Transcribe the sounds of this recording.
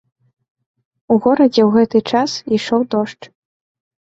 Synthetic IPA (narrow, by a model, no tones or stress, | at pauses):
uɣɔɾɐd͡zʲɛwɣɛt̪ɨt͡ʂasiʂɔwd̪ɔʂt͡ʂ